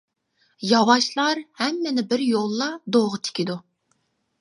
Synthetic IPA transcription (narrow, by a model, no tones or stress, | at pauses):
jɑwɑʃlˠɑɾhɛmːɛnɪbɪɾjolˠːɑd̪oʁət̪ʰɪ̥kʲid̪u